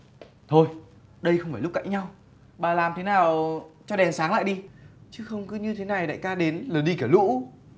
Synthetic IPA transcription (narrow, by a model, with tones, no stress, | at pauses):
t̪ʰo˧jɗə˧jxə˧wŋ͡mfaː˧˩jlʊ˦˥k͡p̚ka̰ː˧˨jɲa˧w | ɓaː˨˩laː˨˩mt̪ʰe˨˦naː˨˩wt͡ɕɔ˧ɗɛ˨˩nsaː˨˦ŋla̰ː˧˨jɗi˧t͡ɕɨ˨˦xə˧wŋ͡mkɨ˨˦ɲɨ˧t̪ʰe˨˦na˨˩jɗa̰ː˧˨jkaː˧ɗe˨˦nləː˨˩ɗi˧kaː˧˩lṵ˧˥